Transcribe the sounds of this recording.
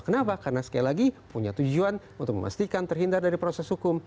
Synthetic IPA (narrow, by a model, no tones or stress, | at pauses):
kənapakarnasə̥kajalaɡipuɲat̪ud͡ʒuan | unt̪ʊk̚mə̰ma̰st̪ikant̪ərɦindardaɾipɾosɛshukʊm